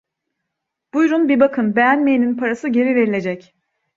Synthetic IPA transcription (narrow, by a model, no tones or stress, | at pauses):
b̥ujɾunbibakʰɯnbejænme̞jininpʰaɾasɯɟe̞ɾive̞ɾilʲe̞d͡ʒɛc